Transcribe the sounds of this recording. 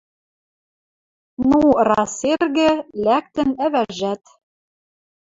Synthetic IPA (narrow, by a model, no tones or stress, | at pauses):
nurɑserɣɘ̆læk̚t̪ɘ̆næβæʒæt̪